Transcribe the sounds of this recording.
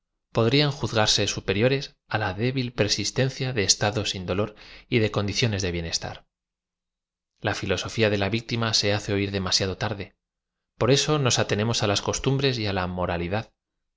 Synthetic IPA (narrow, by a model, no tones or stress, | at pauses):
po̞ðɾiaŋxuθɣaɾse̞supe̞ɾjo̞ɾe̞s | alaðeβilpe̞ɾsist̪e̞n̟θjaðe̞ːst̪aðo̞sind̪o̞lo̞ɾiðe̞ko̞nd̪iθjo̞ne̞zðeβje̞ne̞st̪a̰ɾ | lafilo̞so̞fiaðe̞laβik̚t̪imase̞aθe̞oiɾðe̞masjaðo̞t̪aɾðe̞ | po̞ɾe̞so̞no̞sat̪e̞ne̞mo̞salasko̞st̪umbɾe̞s̬ialamo̞ɾaliðað